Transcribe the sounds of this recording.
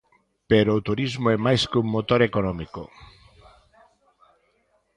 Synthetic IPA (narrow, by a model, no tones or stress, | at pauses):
peɾoːt̪uɾizmoɛmajskuŋmot̪oɾekonɔmiko